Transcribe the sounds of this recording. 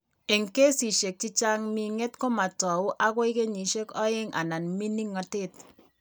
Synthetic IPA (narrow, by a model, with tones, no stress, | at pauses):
e˨ŋke˦si˨ʃe˨k̚t͡ʃi˦t͡ʃa˦ŋmi˨ŋe˦tko˦ma˨tɔ˨u˦ʔa˦ko˦ɪ˦ke˦ɲi˨ʃe˦kɔ˦e˦ŋʔa̰˨na˨nmi˦ni˦ŋɔ˨te˦t